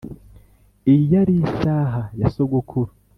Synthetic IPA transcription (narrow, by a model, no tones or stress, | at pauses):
ijaɾisaːɦajasoɡokʰuɾu